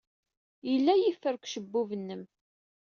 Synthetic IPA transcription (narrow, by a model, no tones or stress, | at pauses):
jəlːæjifːəɾkʷʃəbːuvənːəm